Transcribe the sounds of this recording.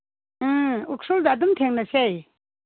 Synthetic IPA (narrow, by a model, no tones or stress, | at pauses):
uk̚soldːdumtʰeŋnɐsaj